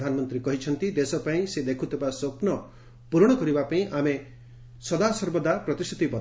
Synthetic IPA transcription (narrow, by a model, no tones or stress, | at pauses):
d̪ʱanɔmɔnt̪ɾikɔɦit͡ʃʰɔnt̪id̪esɔpaĩsed̪ekʰut̪ʰebasopnɔ | puɾɽ̃ɔkɔɾibapaĩʔame | sɔd̪asɔɾbɔd̪apɾɔt̪ist̪ʰi̥t̪ibɔ